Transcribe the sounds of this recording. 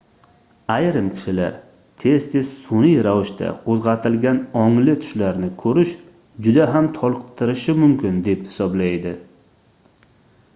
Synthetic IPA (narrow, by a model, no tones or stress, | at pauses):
ajɾɪmkʲʰɪ̥ʃɪla̰ɾ | t̪ʰe̞z̥t̪ʰe̞z̥sʊnijɾavɪʃt̪ʰa̰qʰozʁɑt̪ʰɪlɡʲanɒŋlɪt̪ʰʊ̥ʃlaɾnɪkʰɵɾɪʃ | d͡ʒʊd̪aɦamt̪ʰɒlˠqt̪ʰːɪɾɪʃɪmʊmkʲɪnd̪e̞phɪ̥sɒblajd̪ɪ